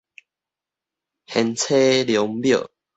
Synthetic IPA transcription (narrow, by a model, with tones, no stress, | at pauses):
hɛ˨˧nt͡sʰe˦ljɔ˨˦ŋbjə̰˥˨